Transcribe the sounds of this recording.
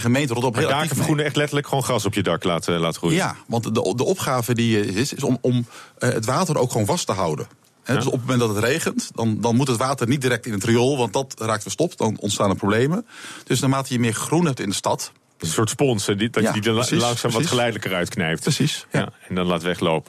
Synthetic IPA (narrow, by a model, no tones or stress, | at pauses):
χəmejntərɔtɔpɦeɪlˠaːikəfəχunəɛχtlɛtəɹləkχʋoːnχrɑsɔpjədɑklaːtlaːtrujjaʋɑntədəʔɔpχaːvədijəzɪtɪsɔmɔmə̰tʋaːtəɾʔo̰wkχʋownvɑstəɦawdə̰n | ɦɛdɵsɔpəmːmɛntdɑtətrejχəntdɑndɑnmutətʋaːtərnit̚diɾɛk̚tɪnəntriolˠʋɑnt̚dɑtraːktʋəstɔpdɑnɔ̰ntstaːnəprowblejməd̥ɵsnaːmaːtəjəmɪːχrunɦɛp̚tɪndəstɑt | dɪsənsʊːɹtspɔnsddidlɑŋsaːmʋχəlɛjdələkəɾœɥtknɛjp̚təsisjaɛndɑnlaːtʋɛχlowpə